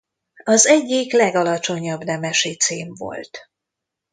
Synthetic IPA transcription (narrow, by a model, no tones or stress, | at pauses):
ɒzɛɟːiklɛɡɒlɒt͡ʃo̞ɲɒbnɛmɛʃit̪seːɱvo̞̰lt̪